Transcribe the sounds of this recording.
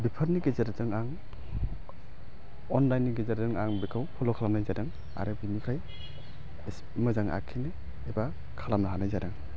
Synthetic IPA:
bipʰaɾniɡezaɾdɯŋaŋ | ɔnlajnːiɡezeɾzɯŋaŋbikʰawpʰɔlɔkʰalamnajzadɯŋ | a̰ɾɯbimikʰɾaj | s | mɯzaŋa̰kʰine | eba | kʰalamnaɦanajzajdaŋ

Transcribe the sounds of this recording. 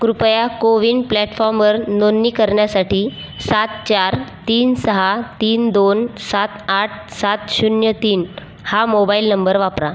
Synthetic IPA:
kɾupjakoʋiːɳɖplɛʈfɔɾmʋəɾnonːiːkəɾɳjasaʈiː | sat̪̚t͡ɕaɾt̪iːnsəɦat̪iːnd̪onsat̪aʈʰsat̪ɕunjət̪iːn | hamobailnəmbəɾʋapɾa

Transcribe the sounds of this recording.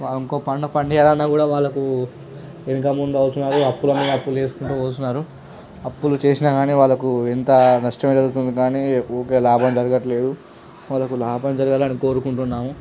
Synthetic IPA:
ʋaːliŋko̞ːpɐɳɖɐpɐɳɖijaːlɐnːaːkuːɽaːʋaːɭːɐku | eŋkamund̪uɐwut̪unːaːɾuɐpːulɐmiːɾɐpːuleːsu̥kuɳʈuːʋɐːt̪unːaːɾu | ɐpːulut͡ʃe̞ːsinaɡaːniːʋaːɭːɐkuent̪ɐnɐʂʈɐmed̪ɐɾuɡut̪̬und̪ikaːnioːke̞ːlaːbʱɐmd͡ʒɐɾɐɡɐʈɐle̞ːd̪u | ʋaːlːɐkulaːbʱɐmd͡ʒɐɾɐɡaːlɐniko̞ːɾukuɳʈunːaːmu

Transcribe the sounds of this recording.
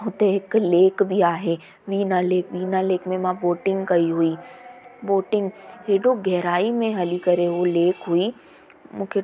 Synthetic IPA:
ɦʊt̪eɦɪkleːkbʱiaːɦeː | ʋiːnaleːkʋiːnaleːkmẽmãboːʈɪ̃ŋɡkɐiɦuiːboːʈɪ̃ŋɡɦeːɖoɡɛɦɾaːimẽɦɐlikɐɾeɦoleːkɦui | mũːkʰe

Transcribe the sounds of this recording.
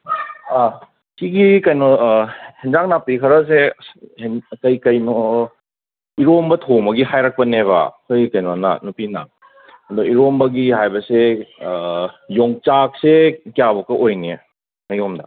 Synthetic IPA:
a | siɡikɐjnɔhind͡ʒak̚napikʰɐɾɐs̬e | kɐjkɐjno | iɾombɐtʰomɐɡihajɾak̚pɐneβɐ̰kʰojikɐjnona̰nupina̰ | ɐdoiɾombɐɡihajbɐse | joŋt͡ʃak̚sekijabɐkɐʔojni | mɐjomdɐ̰

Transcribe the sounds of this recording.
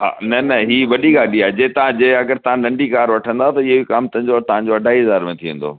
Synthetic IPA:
ɦa̰ːnɐnɐɦiːʋɐɗiɡaːɗiaːd͡ʑet̪ɐʋãd͡ʑeɐɡəɾt̪ɐʋ̤ãnɐ̃ɳɖikaːɾʋɐʈʰə̃nd̪at̪ɐɪɦobikaːmt̪ɐ̃ɦɲd͡ʑot̪ɐʋ̤ãɲd͡ʑoɐɖʱaːiɦɐzaːɾmẽt̪ʰiʋẽn̆d̪o̰ː

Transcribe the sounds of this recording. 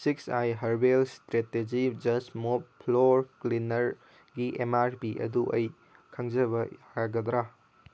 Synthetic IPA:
siksajɦɐɾbelstɾeted͡ʒid͡ʒɐsmop̚pʰloɾklinɐɾ | ɡiʔemaɾpiʔɐ̰duʔɐ̰j | kʰɐŋd͡ʒɐbɐhaɾaɡɐd̪ɾa

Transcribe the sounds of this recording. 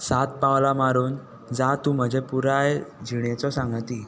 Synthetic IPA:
sat̪̚pawlamaɾuːn | d͡zat̪ũːm̤əd͡ʑʱepuɾajd͡ʑʱiɳet͡sɔsãŋɡt̪iː

